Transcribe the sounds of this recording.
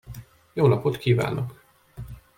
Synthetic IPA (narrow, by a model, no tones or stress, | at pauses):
joːnɒpot̪kʰiːva̰ːnok